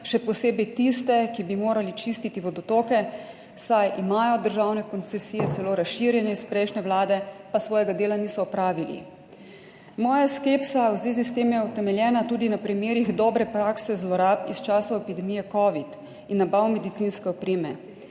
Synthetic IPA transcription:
ʃɛpɔseːbɛjt̪ist̪ɛkibimoːɾalit͡ʃist̪it̪iʋɔd̪ɔt̪oːkɛ | sajʔimaːjɔd̪əɾʒaːwnɛkɔnt̪sɛsiːjɛt̪sɛloːɾasʃiɾjɛnɛispɾɛjʃnɛʋwlaːd̪ɛpasʋɔːjɛɡad̪eːlaniːsɔːpɾaːʋilḭ | mɔːjaskepsawzʋeːzist̪eːmjɛut̪ɛmɛljɛːnat̪uːd̪inapɾimeːɾiɣd̪ɔːbɾɛpɾaksɛzlɔɾaːpist͡ʃaːsɔɛpid̪ɛmiːjɛkɔːʋit̪ | inːabawmɛd̪it̪sinskɛɔpɾeːmɛ̰

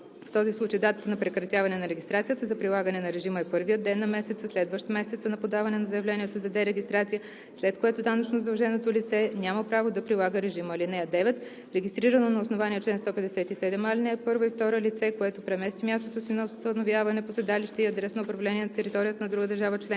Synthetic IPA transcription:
ft̪ɔzislˠut͡ʃəjd̪at̪ət̪ənɐpɾɛkɾɐt̪ʲjavɐnɛnɐɾɛɡʲist̪ɾat̪sijət̪əzɐpɾilˠaɡənɛnɐɾɛʒiməɛpɤɾvijət̪d̪ɛnːɐmɛsɛt̪səslɛd̪vəʃt̪mɛsɛt̪sənɐpod̪avɐnɛnɐzəɛvlɛniɛt̪ozɐd̪ɛɾɛɡʲist̪ɾat̪sijə | slɛt̪koɛt̪od̪anət͡ʃnozd̪ɐlˠʒɛnot̪olit̪sɛnʲaməpɾavod̪ɐpɾilˠaɡəɾɛʒiməlinɛɐd̪ɛvɛt̪ | ɾɛɡʲist̪ɾiɾənonɐʊsnovaniɛt͡ʃlɛnst̪ɔpɛd̪ɛsɛt̪isɛd̪ɛmalinɛɛpɤɾvəift̪ɔɾəlit̪sɛkoɛt̪opɾɛmɛst̪vimʲjast̪ot̪osinst̪ənovjavɐnɛposɛd̪aliʃt̪ɛiɐd̪ɾɛsnoʊpɾɐvlɛniɛnɐt̪ɛɾit̪ɔɾijət̪ənɐd̪ɾuɡəd̪əɾʒavət͡ʃlɛn

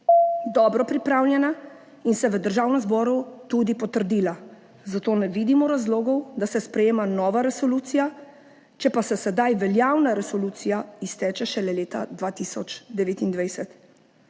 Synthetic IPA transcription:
d̪ɔbɾɔpɾipɾaːwlʲjɛna | insɛʋəd̪əɾʒaːwnɛmzbɔːɾut̪ud̪ipɔt̪əɾd̪iːla | zat̪oːnɛʋiːd̪imɔɾazloːɡɔwd̪asɛspɾɛjeːmanɔːʋaɾɛsɔluːt̪sija | t͡ʃɛpasɛsɛd̪ajʋɛljaːwnaɾɛsɔluːt̪sijaist̪ɛːt͡ʃɛʃɛlɛleːt̪a̰d̪ʋaːt̪isɔt͡ʃd̪ɛʋeːt̪ind̪ʋajsɛt̪

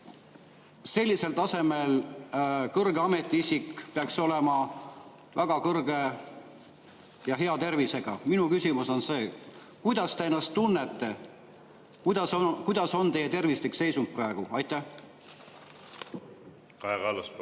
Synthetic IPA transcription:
se̞lʲːise̞lt̪ɑse̞me̞l | kɤrɡeɑme̞t̪ːˑiisikːpeɑkso̞le̞mɑ | væɡ̥ɑkɤrɡ̥e̞ | jɑɦe̞ɑt̪e̞rvise̞ɡ̥ɑminukysʲimuso̞nse̞ː | kujd̪̥ɑst̪e̞enːɑst̪ːunːe̞t̪ːˑe̞ | kud̪̥ɑskujd̪̥ɑso̞nt̪e̞jet̪e̞rvist̪ekse̞jsunt̪̚prɑeɡ̥uɑjt̪ːˑæ | kɑɡɑl

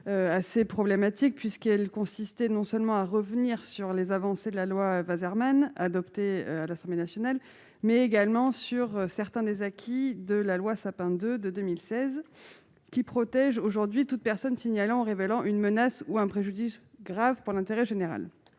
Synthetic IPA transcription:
øasepχɔblemat̪ik̚pɥiskɛlkɔ̃sist̪ɛnɔ̃sœlmɑ̃aʁəvniʁsyʁlezavɑ̃sed̪əlalwavazɛʁmanad̪ɔpt̪eø̰alasɑ̃blenasjɔnal | mɛeɡalmɑ̃syʁsɛʁt̪ɛ̃d̪ezakʲʰid̪əlalwasapɛ̃d̪ød̪əd̪ømilsɛz | kʲipχɔt̪ɛʒoʒuʁd̪ɥit̪ut̪̚pɛʁsɔnsiɲalɑ̃ɑ̃ʁevelɑ̃ʔynmənasuɛ̃pχeʒyd̪isɡʁavpuʁlɛ̃t̪eʁɛʒeneʁa̰l

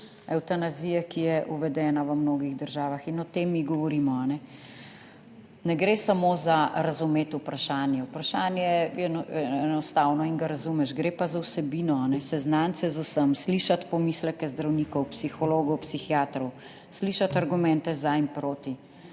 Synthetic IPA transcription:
ɛwt̪anazijɛkijɛʔuʋɛd̪ɛːnaʋəmnoːɡiɣd̪əɾʒaːʋaxinɔt̪eːmːiɡɔʋɔɾiːmɔanɛ | nɛɡɾeːsamoːzaɾazumeːt̪upɾaʃaːnjɛupɾaʃaːnjɛjɛɛnɔst̪awnɔiŋɡaɾazumɛʃɡɾeːpazawsɛbiːnɔanɛsɛznant̪sɛzusəmsliʃat̪pɔmislɛkɛzd̪ɾawniːkɔwpsixɔloːɡɔwpsixjaːt̪ɾɔw | sliːʃat̪aɾɡumɛnt̪ɛzaimpɾoːt̪i

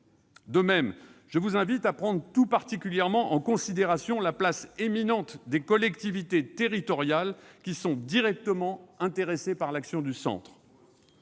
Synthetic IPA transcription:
d̪əmɛmʒ̥əvuzɛ̃vit̪apχɑ̃d̪ʁət̪upaʁt̪ikʲyljɛʁmɑ̃ʔɑ̃kɔ̃sid̪eʁasjɔ̃laplaseminɑ̃t̪d̪ekɔlɛkt̪ivit̪et̪eʁit̪ɔʁjalkʲisɔ̃d̪iʁɛk̚t̪əmɑ̃ɛ̃t̪eʁesepaʁlaksjɔ̃d̪ysɑ̰̃t̪χ

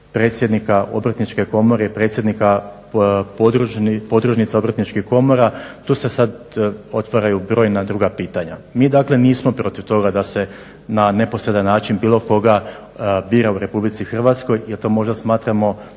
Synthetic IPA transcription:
pɾet̪sʲjed̪nikaʔo̞̰bɾat̪nit͡ʃke̞ko̞mo̞ɾeipɾe̞t̪sje̞d̪nika | d̪upo̞d̪ɾuʒnit̪sao̞bɾat̪nit͡ʃkihko̞mo̞ɾat̪uːse̞sad̪ | o̞t̪ʋaɾajubɾo̞ːjnad̪ɾuːɡapiːt̪aɲamiːd̪akleniːsmo̞pɾo̞t̪iʋt̪o̞ɡad̪ase̞ | nane̞po̞sɾe̞d̪anːaːt͡ʃinbiːlˠo̞ko̞ɡa | biːɾauɾe̞publit̪sixr̩ʋat̪sko̞jjelt̪o̞ːmo̞ʒd̪asmaːt̪ɾamo̞

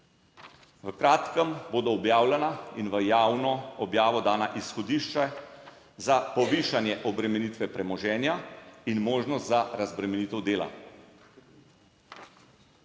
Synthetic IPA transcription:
ʋəkɾaːt̪kəmboːd̪ɔːbjaːwlɛnainʋəjaːwnɔɔbjaːʋɔd̪aːnaʔisxɔd̪iːʃt͡ʃa | zapɔʋiːʃanjɛʔɔbɾɛmɛniːt̪ʋɛpɾɛmɔʒɛːnjainmoːʒnɔst̪zaɾazbɾɛmɛniːt̪ɛwd̪eːla̰

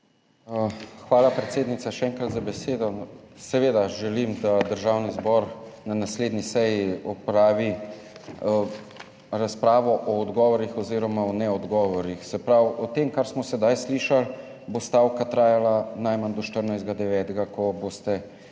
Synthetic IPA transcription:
xʋaːlapɾɛt̪seːd̪nit̪saʃɛɛːŋkɾat̪zabɛseːd̪ɔsɛʋeːd̪aʒɛlimd̪ad̪əɾʒawnizbɔɾnanasleːd̪nisɛjiɔpɾaːʋi | ɾaspɾaːʋɔʔɔːd̪ɡɔʋɔɾixɔziːɾɔmaɔnɛɔd̪ɡɔːʋɔɾixsɛpɾawɔt̪emkaɾsmɔsɛd̪ajsliːʃal | bost̪aːwkat̪ɾaːjalanajmand̪ɔʃt̪əɾnajzd̪ɡad̪ɛʋɛːt̪ɡakɔboːst̪ɛ

